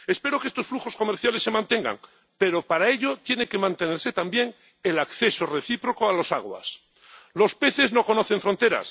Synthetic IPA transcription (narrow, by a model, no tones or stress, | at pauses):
espe̞ɾo̞keest̪osfluxo̞sko̞meɾθjalesːe̞mãnt̪e̞ŋɡa̰ŋ | pe̞ɾo̞paɾae̞ʎot̪je̞nekemãnt̪e̞neɾse̞t̪ambje̞ŋ | elakθe̞so̞reθipɾo̞koalo̞sa̰ɣwa̰s | lo̞spe̞θe̞zno̞ko̞noθeɱfɾo̞nt̪e̞ɾa̰s